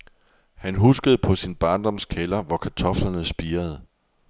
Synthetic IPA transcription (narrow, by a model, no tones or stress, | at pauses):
hænɦusɡ̥əð̞̩ˠəpʰɒ̽sinb̥ɑ̈ːnd̥ɒ̽mskʰelɐʋɒkʰæt͡sʰɒ̽flɐnəsb̥iːɐð̞ˠ